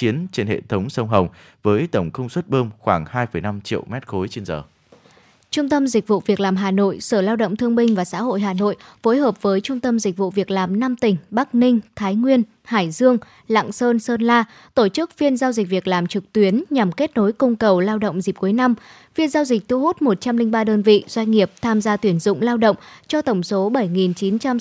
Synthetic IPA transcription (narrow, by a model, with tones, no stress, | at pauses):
t͡ɕi˨˦ənt͡ɕe˧nhḛ˧˨t̪ʰə˨˦wŋ͡msə˧wŋ͡mɦə˨˩wŋ͡m | vəː˨˦jt̪ə˧˩wŋ͡mkə˧ŋ͡mswə˦˥t̚ɓəː˧mxwaː˧˩ŋhaː˧jfə˧˩jna˧mt͡ɕḭ˧˨əwmɛ˦˥t̚xo˨˦jt͡ɕe˧nzəː˨˩ | t͡ɕʊ˧ŋ͡mt̪ə˧mzï˨˩k̟̚vṵ˧˨vi˨˩ək̚laː˨˩mɦaː˨˩no̰˧˨jsəː˧˩laː˧wɗə̰˧˨wŋ͡mt̪ʰɨ˧əŋɓï˧ŋ̟vaː˨˩sa̰ː˧˥ɦo̰˧˨jɦaː˨˩no̰˧˨jfo˨˦jɦəː˨˩p̚vəː˨˦jt͡ɕʊ˧ŋ͡mt̪ə˧mzi˨˩k̟̚vṵ˧˨vi˨˩ək̚laː˨˩mna˧mt̪ï˨˩ŋ̟ɓa˦˥k̚nï˧ŋ̟t̪ʰaː˨˦jŋwi˧ən | haː˧˩jzɨ˧əŋ | la̰˧˨ŋsəː˧nsəː˧nlaː˧ | t̪o˧˩t͡ɕɨ˦˥k̚fi˧ənzaː˧wzi˨˩k̟̚vi˨˩ək̚laː˨˩mt͡ɕɨ˨˩k̚t̪wi˨˦ənɲa˨˩mke˦˥t̚no˨˦jkə˧wŋ͡mkə˨˩wlaː˧wɗə̰˧˨wŋ͡mzi˨˩p̚ku˨˦jna˧m | fi˧ənzaː˧wzï˨˩k̟̚t̪ʰu˧ɦo˦˥t̚mo˨˩t̚t͡ɕa˧mlï˧ŋ̟ɓaː˧ɗəː˧nvḭ˧˨zwa˧jŋ̟ŋi˨˩əp̚t̪ʰaː˧mzaː˧t̪wi˧˩ənzʊ̰˧˨ŋ͡mlaː˧wɗə̰˧˨wŋ͡mt͡ɕɔ˧t̪ə˧˩wŋ͡mso˨˦ɓə˧˩jŋi˨˩nt͡ɕi˨˦nt͡ɕa˧m